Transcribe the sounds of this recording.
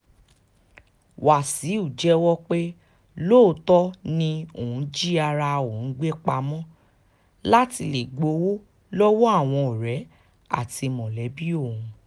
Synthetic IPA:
wa˨si˨˦u˦˨d͡ʒɛ˦wɔ˦k͡pe˦ | lo˦˨tɔ˦nĩ˧o˨ũ˨˦d͡ʒi˦a˧ɾa˧o˨n̩˨˦ɡ͡be˦k͡pa˧mɔ̃˦ | la˦ti˧le˨ɡ͡bo˨˧˦wo˦ | lɔ˦wo˦a˦˨w̃ɔ̃˧o˨ɾɛ˨˦ | a̰˦˨ti˧mɔ̃˨lɛ˨˦bi˦o˦˨ũ˧

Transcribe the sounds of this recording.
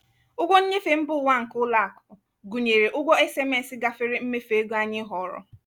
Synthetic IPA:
ʊ˦ɡʷɔ˦ɲ̩˦ɲe˦fe˨m̩˦bʊ˦˨wʷa˦ŋ̩˨kʊ˦la˦˨a˨kʊ̥˨ʊ˨ | ɡu˨ɲe˨ɾe˨ʔʊ˦ɡʷɔ˦e˦se˦me˦˨sɪ˦ɡa˦fɪ˦ɾɪ˦m̩˦me˦fe˨e˦ɡo˦a˦ɲɪ˦ɦɔ˨ɾɔ̰˦

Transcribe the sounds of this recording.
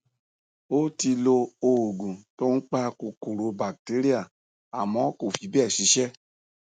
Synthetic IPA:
o˦ti˧lo˧o˧˨ɡũ˨to˦n̩˦k͡pa˦ko˧ko˨ɾo˨˧ba˨k̚te˨˦ɾi˦a˦˨ | a˨mɔ̃˨˦ko˦˨fi˨˦bi˦ɛ˦˨si˨˦ʃɛ˦

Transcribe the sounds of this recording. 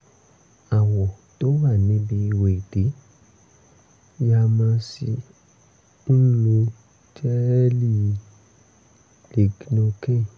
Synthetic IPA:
a˨wɔ˨to˦wa˦˨nĩ˨˦bi˧we˨de˨˦ | ja˧mã˧si˧ | n̩˦lo˧ | d͡ʒɛ˦li˦˨˧ | le˨ɡi˦nõ˧kɛ˦˨

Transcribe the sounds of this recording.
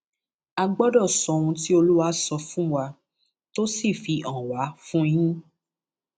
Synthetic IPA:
a˧ɡ͡bɔ˦dɔ˦˨sɔ̃˨˦ũ˧ti˦o˧lu˦wa˦sɔ˧fũ˦wa˧ | to˦si˦˨fi˧ʔɔ̃˨wa˨˦fũ˦˧˦jĩ˦

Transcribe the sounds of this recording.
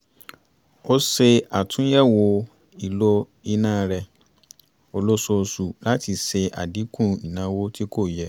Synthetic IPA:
o˦se˧a˨tʰũ˦jɛ˦˨wo˧ | i˨lo˧ | i˧nãː˦˨ɾɛ˧ | o˧lo˦so˧su˨la˦ti˧se˧ʔa̰˨di˨˦kũ˦˨ĩ˨nã˨˦wo˦ti˦ko˦˨jɛ˨˦

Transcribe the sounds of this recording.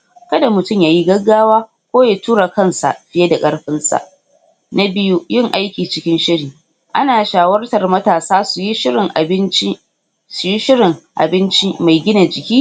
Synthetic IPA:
kɐ˦da˨mʊ˨tʊ˦˨mjaː˨ji˦ɡɐ˦ɡːaː˦waː˦ | kʷoː˦ja˨tuː˦ɽa˨kɐ˦˨nsa̰˨ʔɸɪ˦je˦da˨kʼɐ˦ɽɸɪ˦nsa̰˨ʔ | na˦bɪ˦ju˦jɪ˦˨ŋʔa˦jkʲiː˨t͡ʃɪ˦kʲɪ˦nʃɪ˦ɽiː˨ | ʔa˦naː˨ʃaː˨wɐ˦rtɐ˨rmɐ˦taː˨saː˦su˨ji˦ʃɪ˦ɾɪ˨ŋʔbɪ˦n˦ | su˨ji˦ʃɪ˦ɽɪ˨ŋʔa̰˨bɪ˦nt͡ʃi˦ma˨jɡʲɪ˦na˨d͡ʒɪ˨kʲiː˦

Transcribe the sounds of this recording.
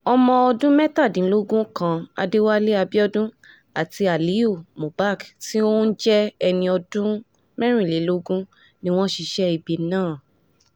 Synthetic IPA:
ɔ˧mɔ̃˧ɔ˧dũ˦mɛ˦ta˦˨dĩ˨˦lo˦ɡũ˦kã˦a̰˧de˦wa˦le˦a˧bi˦ɔ˦dũ˦ | a˨ti˧a˨li˨˦o˦˨mõ˨ba˦˨kti˦õ˦n̩˦d͡ʒɛ˦ɛ˧nĩ˧ɔ˧dũ˦ | mɛ˦ɾ̃ĩ˦˨le˨˦lo˦ɡũ˦ | nĩ˦w̃ɔ̃˦ʃi˧ʃɛ˦i˨bi˨˦nãː˦˨

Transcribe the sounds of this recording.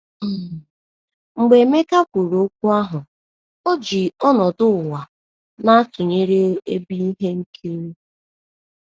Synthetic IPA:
ŋ͡m̩˨ɡ͡be˨˦me˦ka˦kʷu˨ɾo˨o˦k̚ʷu˦a˦ɦʊ˨ | o˦d͡ʒi˨ɔ˦nɔ˨dʊ˦˨wa˨ | na˦tʊ˨ɲe˦ɾe˦e˦bi˦i˦ɦe˦ŋ̩˦kʰe˦ɾe˦

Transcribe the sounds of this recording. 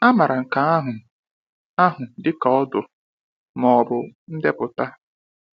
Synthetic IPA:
a˦ma˨ɾa˨ŋ̩˨ka˨a˦ɦʊ˨ | a˦ɦʊ˨dɪ˦ka˨ɔ˦dʊ˨ | mɔ˨bʊ˨n̩˦de˦pʊ˨ta˦

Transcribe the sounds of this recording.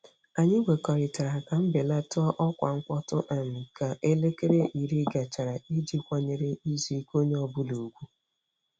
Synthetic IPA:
a˨ɲɪ˦ɡʷe˨kɔ˨ɾɪ˨ta˨ɾa˨ka˨m̩˦be˨la˦tʊ˦ɔ˦ʔɔ˦kʷa˨ŋ̩˦kʷɔ˦tʊ˦ʔa˨m̩˨ka˨ʔe˦le˦ke˦ɾe˦ʔi˨ɾi˦ɡa˨t͡ʃa˨ɾa˨i˦d͡ʒi˦kʷa˨ɲe˨ɾe˦i˦zi˨˦ko˦ɲe˦ɔ˦bʊ˦lu˨ɡʷu˦

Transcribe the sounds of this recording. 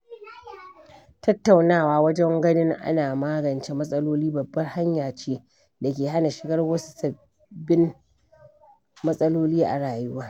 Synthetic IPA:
tʰɐ˦tːa˨wnaː˦˨waː˨wɐ˦d͡ʒɛ˦ŋɡɐ˦nɪ˦ŋʔa̰˦naː˨maː˦ɡɐ˨nt͡ʃe˦mɐ˦sʼɐ˦loː˦liː˦bɐ˨bːɐ˦rha˦ɲjaː˨t͡ʃeː˦ | da˨kʲeː˨ɦa˦na˨ʃɪ˨ɡɐ˦rwɐ˦su̥˦sɐ˨ | bːɪ˦m | mɐ˦sʼɐ˦loː˦liː˦ʔa̰˨ɽaː˨jʊ˦waː˦

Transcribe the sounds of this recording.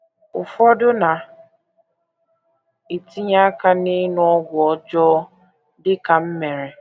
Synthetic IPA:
ʊ˨fɔ˦dʊ˦na˨ | i˨ti˦ɲa˦ka˦ni˦nʊ˦ɔ˦ɡʷɔ˨d͡ʒɔː˦ | dɪ˦ka˨m̩˦me˨ɾe˨

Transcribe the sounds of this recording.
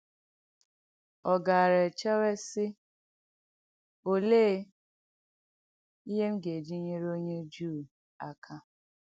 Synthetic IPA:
ɔ˨ɡa˨ɾe˨t͡ʃe˦we˦sɪ˦ | o˨leː˦ | i˦ɦe˦m̩˦ɡe˨d͡ʒi˦ɲe˦ɾo˦ɲe˦d͡ʒuː˦˨ | a˨kʰa˦

